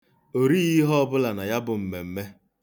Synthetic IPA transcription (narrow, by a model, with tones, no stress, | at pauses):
o˨ɾi˦ɣi˦ɦɔ˦ɔ˦bʊ˦la˨na˨ja˦bʊ˨m̩˨me˨m̩˨me˦